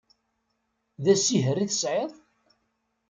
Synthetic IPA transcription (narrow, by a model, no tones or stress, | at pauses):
ðæsiɦərːiθə̥sʕeðˤ